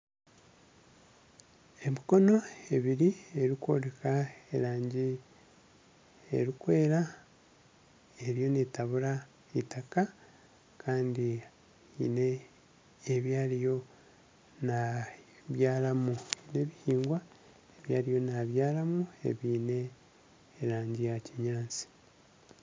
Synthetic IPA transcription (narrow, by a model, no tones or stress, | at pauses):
e̞miko̞no̞e̞βiɾie̞ɾikwo̞̰ɾekaeɾaːɲɟi | ḛɾikwe̞ːɾa | eɾijo̞netaβuɾa | itaka | kʰaːndi | ine̞ː | βjaːɾijo̞ | naβjaːlamuine̞βihiːŋɡwa | eβjaːɾijo̞naβjaːlamue̞̰βine̞ː | ɾaːɲɟijaciɲaːnt͡si̥